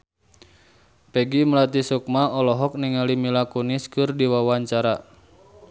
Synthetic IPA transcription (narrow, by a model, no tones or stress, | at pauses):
pɛɡiməlat̪isɔk̚maɔlɔɦɔk̚niŋalimilakuniskɨrdiwawaɲt͡ʃaɾa